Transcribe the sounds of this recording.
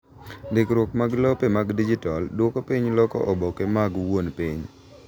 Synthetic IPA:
dɪkɾwokmaɡlopemaɡdid͡ʒitaldwokopiɲlɔkɔ̰ʔɔbɔkemaɡwonpiɲ

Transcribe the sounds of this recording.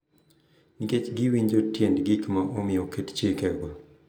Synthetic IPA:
niket͡ʃɡiwiɲd͡ʒotjɛndɡikmaʔomɪɔkett͡ʃekɛɡwa

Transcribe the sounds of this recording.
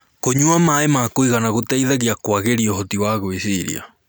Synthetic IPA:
koɲuamaemakoiɣanaɣotɛiðaɣiakwaɣeɾiɔɦotiwaɣoisiɾḭa̰

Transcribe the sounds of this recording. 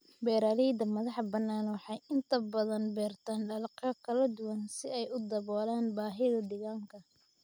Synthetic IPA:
bɛːɾaːlɛd̪ɐmɐðɑħbɐnːaːnwɑħɑjɪnt̪ʰɐbɐðɐnbɛːrt̪ʰaːnɖɐlqɐkʰɐlɐd̪ʊwɐnsɪɛjʊd̪ɐβɔːlaːnbaːɦɪðɐd̪ɪɣaːŋkʰɐ

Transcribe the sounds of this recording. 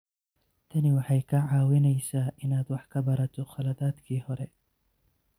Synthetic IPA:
t̪ʰɐnɪwɑħɑjkʰɐʕɑːwɪnɛjsaːʔɪnaːd̪wɑħkʰɐbɐɾɐt̪ʰɔχɐlɐðaːd̪kʰiːhɔɾɛ

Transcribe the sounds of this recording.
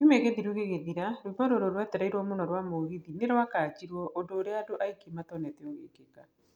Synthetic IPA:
umeɣeðiɾuɣeɣeðiɾaɾubaɾoɾoɾwat̪ɛɾaiɾwɔmonɔɾwamoɣiðineɾoakaːt͡ʃiɾwɔʔodoːɾeaːdoʔaikimat̪ɔnɛtɛoɣḛkeɡan

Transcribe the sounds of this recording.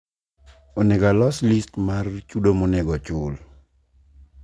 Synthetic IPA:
onɛɡalɔslistmart͡ʃudomonɛɡɔt͡ʃʊl

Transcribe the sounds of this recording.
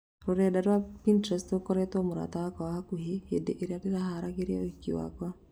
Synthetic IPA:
ɾoɾɛdadwapintɾɛstokɔɾɛtɔmoɾa̰tawakaahakuɦehedeʔeɾeadeɾahaɾaɡeɾjaoikḭwa̰kwa

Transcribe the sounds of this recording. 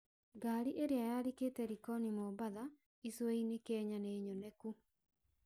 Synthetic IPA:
ɡaːɾiʔeɾeajaɾiketɛɾikɔnimɔbaða | iswɛinekɛɲaneiɲonɛku

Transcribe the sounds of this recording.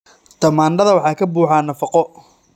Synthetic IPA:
t̪ʰɐmaːnɖɐðɐwɑħɑːkʰɐbuːħɑːnɐfɑqɔ

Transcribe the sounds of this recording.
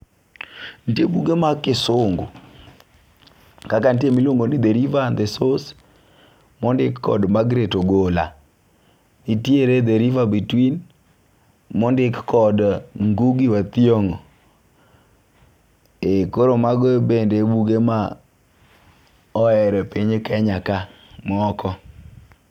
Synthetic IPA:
ntebuɡemakɪsʊŋɡo̰ | kakantemiloŋɡonid̪eɾivand̪esos | mɔndɪkkːɔ̰dmaɡɾetoɡola̰ | nitieɾed̪eɾivabitwin | mɔndɪkkɔdŋɡuɡiwat̪ioŋo | ekoɾomaɡebendebuɡema | ɔɛɾɛpiɲekɛɲaka | mɔɔkʰɔ

